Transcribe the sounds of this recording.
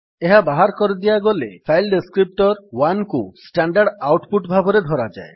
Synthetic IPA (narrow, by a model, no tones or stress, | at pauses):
eɦabaɦaɾkɔɾid̪ijaɡɔlḛpʰajlɖeskɾip̚ʈɔɾwankusʈaɳɖaɾɖawʈpuʈbʱabʱɔɾed̪ʱɔɾad͡ʒa̰e